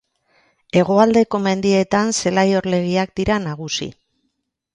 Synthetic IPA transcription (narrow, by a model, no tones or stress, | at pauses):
e̞ɣ̞o̞ald̪e̞ko̞me̞nd̪ie̞t̪anse̞lajo̞ɾle̞ɣ̞iak̚d̪iɾanaɣ̞usḭ